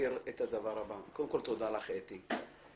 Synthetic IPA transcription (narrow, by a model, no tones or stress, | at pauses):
iʁet̪ad̪avaʁabakoldemkolt̪od̪alaχet̪i